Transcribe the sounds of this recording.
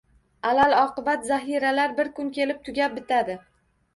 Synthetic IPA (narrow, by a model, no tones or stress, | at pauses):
alalɒqɨbat̪zaɦiɾalaɾbɪɾkʊnkʲe̞lɪp̚t̪ʰʊɡʲap̚bɪt̪ʰad̪ɪ